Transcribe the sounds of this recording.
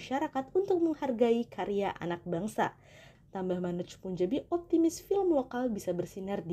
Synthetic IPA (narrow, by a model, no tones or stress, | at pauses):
ʃaɾakat̪unt̪ʊk̚məŋharɡaikʰaɾijaʔa̰nak̚baŋsa̰ | t̪ambahmanut͡ʃpuɲd͡ʒabiɔp̚t̪imɪsfilmwakalbisabərsinard